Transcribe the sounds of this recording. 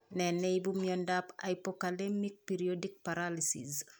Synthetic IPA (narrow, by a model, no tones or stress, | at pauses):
nɛnɛibumjɔndapa̰ipɔkalɛmik̚piɾiodik̚paɾalisḭs